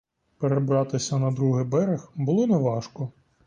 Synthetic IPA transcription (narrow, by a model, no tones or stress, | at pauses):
peɾebɾɑt̪ɪsʲɐnɐd̪ɾuɦɪbɛɾexbʊlˠɔneʋɑʃkɔ